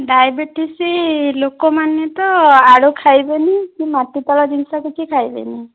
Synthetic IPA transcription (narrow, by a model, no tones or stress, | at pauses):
ɖajbiʈisilokɔmanet̪ɔaɽukʰajbenikimatit̪ɔlɔd͡ʒinsɔkit͡ʃʰikʰajbḛni